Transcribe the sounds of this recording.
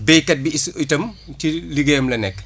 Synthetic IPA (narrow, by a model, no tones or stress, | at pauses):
bejkɐt̚biisujtɐmtiliɡɛːmlɐnɛk